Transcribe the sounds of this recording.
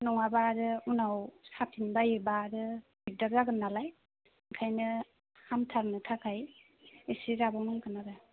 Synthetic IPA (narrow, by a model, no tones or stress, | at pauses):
nɔŋabaɾɯunawsapʰinbajɯbaɾɯbik̚dakzaɡɯnːalaj | ŋkʰajnɯ | hamtʰaɾnɯtʰakʰaj | esiɾabaŋɯŋkʰɯnaɾɯ